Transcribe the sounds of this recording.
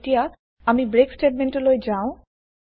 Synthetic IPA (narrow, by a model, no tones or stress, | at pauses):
tija | amibɹeksʈeʈ̚menʈolojd͡ʑaʊ̃